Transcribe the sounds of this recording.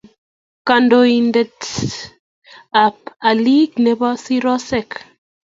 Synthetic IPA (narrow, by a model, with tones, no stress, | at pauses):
ka˨ndo˨i˨ndɛ˨t | a˨p̚a˨li˦kne˨bɔ˦si˦ɾɔ˦sɛ˦˨k